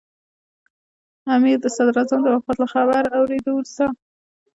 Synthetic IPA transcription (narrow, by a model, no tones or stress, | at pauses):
amiɾd̪əsad̪ɾazamd̪əwafat̪laxabaɾawɾed̪əwlsa